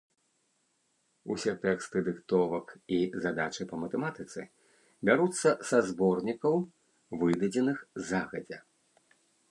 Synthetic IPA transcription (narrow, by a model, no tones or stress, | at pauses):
ṵsʲɛt̪ɛkst̪ɨd̪ɨkt̪ɔvɐkizad̪at͡ʃɨpɐmɐt̪ɛmat̪ɨt̪sɨ̰ | bʲaɾut̪sːɐsazbɔrnʲikɐw | vɨd̪ɐd͡zʲɛnɨxzaɣɐd͡zʲɛ